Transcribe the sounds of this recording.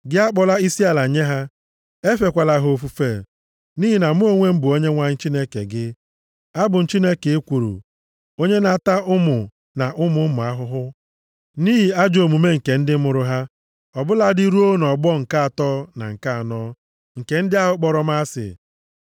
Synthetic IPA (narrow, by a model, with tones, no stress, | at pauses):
ɡɪ˦a˦k͡pɔ˨la˦i˦si˦a˨la˨ɲe˦ɦa˦ | e˦fe˨kʷa˨la˨ɦo˨fu˦feː˨ | ni˦ɦi˨na˨˦m˦o˦ŋʷe˦m̩˦bʊ˨o˦ɲe˦ŋʷa˨ɲɪ˦n̩˦t͡ʃi˦ne˦kḛ˨ɡɪ˦ | a˦bʊ˨n̩˨t͡ʃi˦ne˦ke˨e˦kʷu˨ɾṵ˨ | o˦ɲe˦na˨ta˦ʊ˦mʊ˨ | na˨ʔʊ˦mʊ˦mʊ˨a˦ɦʊ˦ɦʊ˦ | niː˦ɦi˨a˦d͡ʒo˨mu˨me˦ŋ̩˨ke˨n̩˦dɪ˦mʊ˨ɾʊ˦ɦa˦ | ɔ˨bʊ˦la˨˦di˦ɾu˦o˦nɔ˨ɡ͡bɔ˦ŋ̩˨ka˦a˨tɔ˦na̰˨ŋ̩˨ka˦a˨nɔː˦ | ŋ̩˨ke˨n̩˦dɪ˦a˦ɦʊ˨k͡pɔ˨ɾɔ˦m˦a˦sɪ̰˨